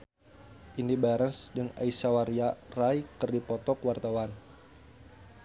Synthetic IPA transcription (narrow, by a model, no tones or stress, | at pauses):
ʔindibaɾənsdɨŋa̰isawaɾiarajkɨrdipɔt̪ɔkwart̪awan